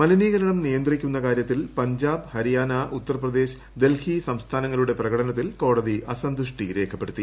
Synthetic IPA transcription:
mɐliniːɣɐɾɐɳɐmnijɐnd̪rikʲːunːɐkaːɾjɐt̪ːilpɐɲd͡ʑaːbhɐɾijaːnaʔut̪ːɐrɐprɐd̪e̞ːɕɐ | d̪e̞lhisɐmst̪ʰaːnɐŋːɐluɽe̞prɐɣɐʈʰɐnɐt̪̬ːilko̞ːɽɐðiɐsɐnd̪uʂʈiɾe̞ːkʰɐpːe̞ɽut̪ːi

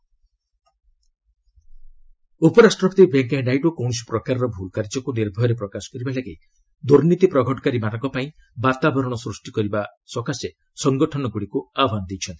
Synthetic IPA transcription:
upɔɾasʈɾɔkt̪ibeŋkɦeɖajʈukɔw̃si̥pɾɔkaɾɔɾɔbʱulkaɾd͡ʒɔkuniɾbʱɔɾepɾɔkasɔ̥kɔɾibalaɡej | d̪uɾnit̪ipɾɔɡʱɔʈɔ̥kaɾimanɔŋkɔpaĩ | bat̪abɔɾɔɽ̃ɔsɾusʈikɔɾibasɔkase | sɔŋɡɔʈʰɔnɔɡuɽikuabʱanɔd̪ejt͡ʃʰɔnt̪i̥

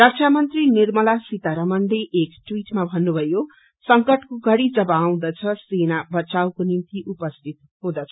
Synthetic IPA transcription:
rʌk̚t͡sʰamʌnt̪rinirmʌlasit̪aɾʌmʌɳɖeʔekʈwiʈmabʱʌnːubʱʌjo | sʌŋkʌʈkoɡʌɽid͡zʌbʌːw̃d̪ʌt͡sʰʌsenabʌt͡sawkonint̪iʔupʌst̪ʰit̪̚ | ɦũd̪ʌt͡sʰʌ̥

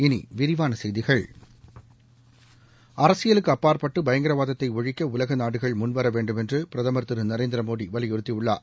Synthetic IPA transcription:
ɪnḭʋɪɾɪʋaːnɐsɛjðɪɣɐɭ | ɐɾɐsɪjɐlɯkːɯɐpːaːɾpɐʈːɯbɐjɐŋɡɐɾɐʋaːðɐt̪ːɐɪɔɻɪkːɐʊlɐɣɐnaːɽɯɣɐɭmʊnʋɐɾɐʋeːɳɖɯmɛndrɯpɪɾɐðaːmɐɾt̪ːɯɾɯnɐɾeːnd̪ɪɾɐmoːɽiʋɐlɪjɔɾɯt̪ːiʊɭːa̰ː

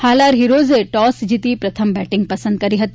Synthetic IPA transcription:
haːlaːɾɦiɾoːzeʈɔːsd͡ʒit̪ipɾɐt̪ʰəmbɛːʈɪ̃ŋɡ̚pɐsənd̪̚kɐɾiɦɐt̪i

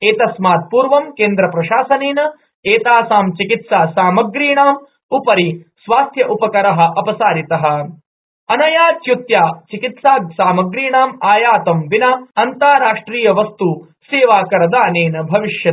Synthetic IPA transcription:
eːt̪ɐsmaːt̪̚puːɾʋɐmkeːnd̪ɾɐpɾɐʃaːsɐneːnɐ | eːt̪aːsaːmt͡ʃikit̪saːsaːmɐɡɾiːɳaːm | upɐɾisʋaːst̪ʰjɐʔupɐkɐɾɐɦɐ̆ʔɐpɐsaːɾit̪ɐɦɐ̆ | ɐnɐjaːt̪jut̪jaːt͡ʃikit̪saːsaːmɐɡɾiːɳaːmaːjaːt̪ɐmʋinaɐnt̪aːɾaːʂʈɾiːjɐʋɐst̪u | seːʋaːkɐɾɐd̪aːneːnɐbʱɐʋiʂjɐ

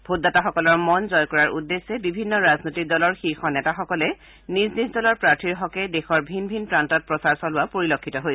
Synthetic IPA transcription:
bʱodataxɔkɔlɔɹmɔnzɔjkɔɹaɹʔudːesːɛbibʱinːɔɹaznojtik̚dɔlɔɹxixɔnɛtaxɔkɔlɛ | niznizdɔlɔɹpɹaɹtʰiɹɦɔkɛdexɔɹbʱinbʱinpɹantɔt̚pɹɔsaɹsɔlʊwapoɹilokʰːitɔɦojsɛ̥

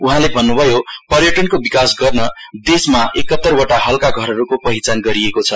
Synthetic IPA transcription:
uɦãlebʱʌnːubʱʌjopʌrjʌʈʌnkobikasɡʌrnʌd̪esmaʔekʌt̪ːʌrwoʈaɦʌlkaɡʱʌɾʌɾukopʌɦit͡sanɡʌɾiekot͡sʰʌ

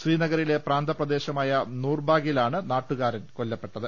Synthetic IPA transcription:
riːnɐɣɐɾile̞praːnd̪ʱɐprɐd̪e̞ːɕɐmaːjɐnuːrbʱaːɡjilaːɳɨnaːʈːuɣaːɾɐnko̞lːɐpːe̞ʈːɐðɨ

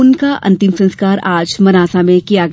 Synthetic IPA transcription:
ʊnkaʔɐ̰̃nt̪ɪmsɐ̃nskaːɾaːd͡ʒmɐnaːsamẽkijaɡɐ

